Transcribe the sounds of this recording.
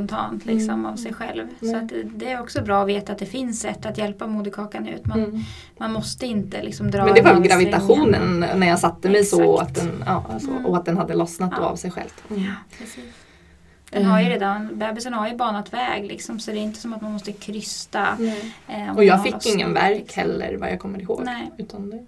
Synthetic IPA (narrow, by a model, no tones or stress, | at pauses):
pɔnt̪ʰɑ̰ːnt̪ʰlɪksɔmavsɛjɧɛ̰lvssɔat̪d̪ɛæɾɔksɔbɾɑːɔveːt̪at̪̚d̪ɛfɪnsːɛt̪ːat̪jɛlpamuːd̪əkʰɑːkanʉ̟̰ːt̪man | manmɔst̪əɪnt̪əlɪ̰ksɔmd̪ɾɑːɛnd̪ɛvaɾvɛlɡɾavɪt̪aɧuːnə̰nnæɾjɑːsat̪ːəmɛjsɔɔa̰t̪̚d̪ɛnɑ̰ːsɔ̰ɔat̪̚d̪ɛnhad̪ːəlɔsnat̪d̪o̰ːa̰vsɛjɧɛ̰lvɾɛsiːs | dɛɦaɾjʏɾeːd̪anbɛːbɪsənhaɾjɵbɑːɳat̪vɛːɡlɪksɔmsɔɛd̪ɛɪnt̪əsɔmat̪manmɔst̪əkʰɾʏst̪a | ɔɔjɑːɡfɪːɪŋːə̰nvæ̰ɾkhɛ̰lːə̰ɾvaɾjɑ̰ɡkʰɔmːəɾɪho̰ːɡnɛʉ̟ːt̪ʰand̪ɛ